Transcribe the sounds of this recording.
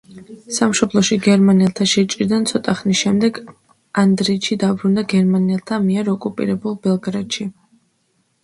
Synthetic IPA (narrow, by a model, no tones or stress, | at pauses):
samʃɔblˠɔʃiɡɛɾmaniɛlˠt̪ʰaʃɛt͡ʃʼɾid̪ant̪sʰɔt̪ʼaχnisʃɛmd̪ɛɡ | and̪ɾiːt̪ʃid̪abɾund̪aɡɛɾmaniɛlˠt̪ʰamiɛɾɔkʼupʼḭɾɛbulˠbɛlˠɡɾad̪̥ʃi